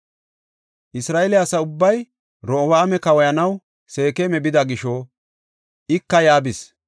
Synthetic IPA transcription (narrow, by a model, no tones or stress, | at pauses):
ʔɪsɾaːelɪɐsɐʊbːɐj | ɾɔːwɐːmɛkɐwɔjɐnɐw | se̞ːkemɛbɪd̪ɐɡɪʃɔ | ɪkːɐjaːbɪs